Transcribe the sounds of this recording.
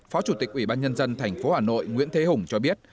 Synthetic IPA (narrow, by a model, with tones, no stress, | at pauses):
fɔ˨˦t͡ɕu˧˩t̪i˨˩k̚ʔwi˧˩ɓaː˧nɲə˧nzə˧nt̪ʰɛ˨˩jŋ̟fo˨˦haː˨˩no̰˧˨jŋwḭ˧˥ənt̪ʰe˨˦hʊ˨˩ŋ͡mt͡ɕɔ˧ɓi˦˥ət̚